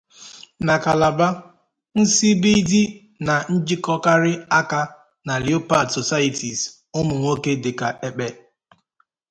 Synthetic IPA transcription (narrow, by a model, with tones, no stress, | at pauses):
na˨ka˨la˨ba˦ | n̩˦si˦bi˦di˦ | na˨n̩˦d͡ʒi˦kɔ˦ka˦ɾɪ˦a˦ka˦ | na˨li˨˦o˦pa˨dso˨sa˦i˦˨ti˨z | ʊ˦mʊ˨ŋʷo˦ke˦dɪ˨ka˨e˨k͡pe˨